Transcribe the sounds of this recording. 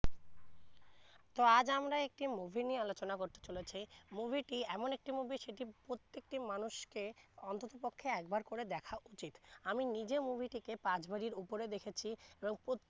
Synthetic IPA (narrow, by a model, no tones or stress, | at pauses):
t̪oad͡ʑamɾaek̚ʈimubʱinialot͡ɕonakoɾt̪e̥t͡ɕolet͡ɕʰimubʱiʈiɛmonek̚ʈimubʱiʃeʈipɾot̪ːek̚ʈimanuʃkeɔnt̪ot̪opokʰːeɛkbaɾkoɾed̪ɛkʰaʔut͡ɕit̪aminid͡ʑemubʱiʈikepad͡ʑbaɾiɾupoɾed̪ekʰet͡ɕʰieboŋpo